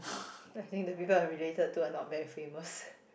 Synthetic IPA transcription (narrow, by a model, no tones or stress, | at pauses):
ajt̪ĩŋk̚dəpipəlaɹiletəd̚tuənɔt̚bɛfẽməs